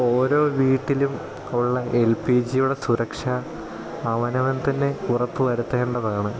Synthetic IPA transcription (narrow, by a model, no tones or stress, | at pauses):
o̞ːɾo̞ːʋiːʈːilum | uiɭːɐelpid͡ʑijuɽe̞suɾɐkʂɐː | ʋɐnɐʋɐnt̪ɐnːe̞kurɐt̪ːɨʋɐɾut̪ːɐeɳɖɐðaːɳɨ